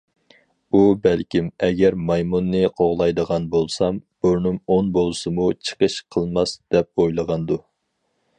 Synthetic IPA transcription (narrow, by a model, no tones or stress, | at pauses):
ubɛlkʲimɛɡʲɛɾmɑjmunːɨqʰoʁlˠɑjd̪əʁɑnbolˠsɑmb̥uɾnɨmonbolˠɨsɨmut͡ʃʰə̥qʰəʃqʰəlˠmɑsd̪̥ɛp̚ojlˠəʁɑnd̪u